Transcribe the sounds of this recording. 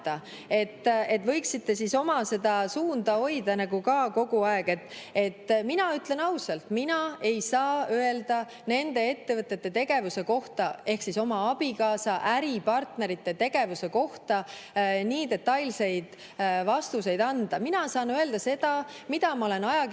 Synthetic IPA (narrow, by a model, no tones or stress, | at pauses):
ɑ | e̞t̪ːe̞t̪ːvɤ̞jksit̪ːe̞siso̞mɑse̞d̪ɑsuːnd̪ɑo̞jd̪ɑnɑɡukɑko̞ɡuɑe̞ɡ̥e̞t̪ːˑe̞t̪ːˑminɑyt̪le̞nɑwsɑlt̪minɑe̞jsɑːøe̞ld̪ɑ | ne̞nd̪̥e̞e̞t̪ːe̞vɤt̪ːˑe̞t̪ːe̞t̪e̞ɡ̥e̞vuse̞ko̞ht̪ɑe̞hksiso̞mɑɑb̥ikɑːsɑʔæɾipɑrt̪ne̞ɾit̪ˑːe̞t̪e̞ɡ̥e̞vuse̞ko̞ht̪ɑniːt̪e̞t̪ːˑɑjlse̞jd̪̥ | vɑst̪us̬e̞jd̪ɑnd̪̥ɑminɑsɑːnøe̞ld̪̥ɑse̞d̪̥ɑ | mid̪̥ɑmɑole̞nɑjɑ